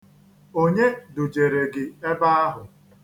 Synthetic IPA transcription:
o˦ɲe˦dʊ˨d͡ʒe˨ɾe˨ɡɪ˨e˦ba˦a˦ɦʊ˨

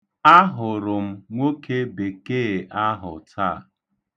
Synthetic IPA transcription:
a˦ɦʊ˨ɾʊ˨m̩˦ŋʷo˦ke˦be˨keː˦˨ʔa˦ɦʊ̰˨tʰa̰˦˨

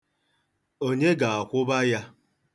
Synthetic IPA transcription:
o˦ɲe˦ɡa˨a˨kʷʊ˦ba˦ja˦

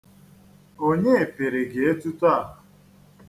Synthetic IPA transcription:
o˦ɲe˦e˨pe˨ɾe˨ɡe˨e˦tu˦ta˦a˦˨ɦʊ˨

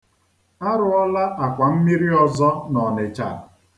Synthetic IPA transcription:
a˦ɾʊ˨ɔ˦la˦ʔa˨kʷa˨m̩˦mi˦ɾi˦ɔ˨zɔ˦nɔ˨nɪ˨t͡ʃa̰˨ɾ

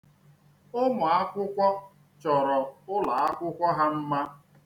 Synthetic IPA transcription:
o˦mʊ˨a˦kʷʊ˦kʷɔ˦ | t͡ʃɔ˨ɾɔ˨ʊ˦la˨a˦kʷʊ˦kʷɔ˦ɦa˦m̩˦ma˦

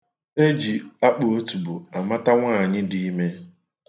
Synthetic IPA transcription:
e˦d͡ʒi˨a˦k͡po˨o˦tu˨bʊ˨a˨ma˦ta˦ŋʷaː˦˨ɲɪ˦di˦me˦

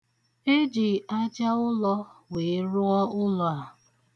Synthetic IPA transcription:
e˦d͡ʒi˨a˦d͡ʒa˦ʊ˦lɔ˦we˨˦ɾʊ˦ɔ˦ʊ˦lɔ˨a˨

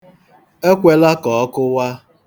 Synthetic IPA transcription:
e˦kʷe˨la˦kɔ˨ɔ˦kʊ˦wa˦

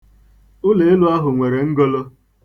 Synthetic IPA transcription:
ʊ˦le˨ɪ˦lʊ˦a˦ɦʊ˨ŋʷe˨ɾe˨ŋ̩˦ɡo˦lo˦

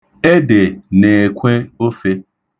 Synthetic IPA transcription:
e˦de˨ne˨kʷe˦o˦fe˦

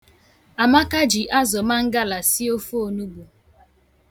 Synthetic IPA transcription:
a˨ma˦ka˦d͡ʒi˨ʔa˦zɔ˨ma˦ŋ̩˦ɡa˦la˨si˦o˦fo˦˨nu˦bu˨

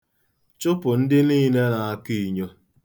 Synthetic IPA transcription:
t͡ʃʊ˦pʊ˨n̩˦dɪ˦niː˦ne˦na˨a˦ki˦˨ɲo˦

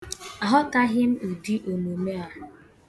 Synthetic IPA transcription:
a˨ɦɔ˦ka˦ɦɪ˦m̩˦u˨di˦ʔo˨no˨me˦a˦

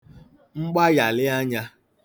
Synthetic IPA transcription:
ŋ͡m̩˦ɡ͡ba˦ja˨lɪ˦a˦ɲa˦

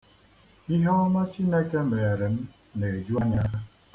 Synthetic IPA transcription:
i˦ɦe˦ɔ˦ma˦t͡ʃi˦ne˦ke˦m̩˦me˨e˨ɾe˨m̩˦ | ne˨e˨d͡ʒu˦a˦ɲa˦

